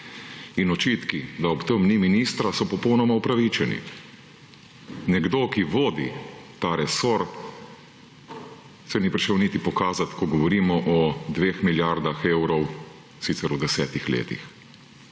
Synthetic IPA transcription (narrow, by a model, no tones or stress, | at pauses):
inɔt͡ʃiːt̪kid̪aɔpt̪əmniminiːst̪ɾasɔpɔpɔwnɔmaupɾaʋit͡ʃɛnḭ | nɛɡd̪okiʋoːd̪ḭt̪aːɾɛsoɾt̪ | sɛnipɾiʃɛwnit̪ipɔkaːzat̪kɔɡɔʋɔɾiːmɔʔɔd̪ʋeːxmiljaɾd̪axeːwɾɔw | sit̪sɛɾud̪ɛsɛːt̪ixlḛːt̪ḭx